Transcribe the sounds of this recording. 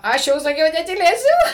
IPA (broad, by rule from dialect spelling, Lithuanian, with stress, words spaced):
ˈɐʃ jɛʊ sɐˈkʲɛʊ nʲɛtʲiːˈlʲeːsʲʊ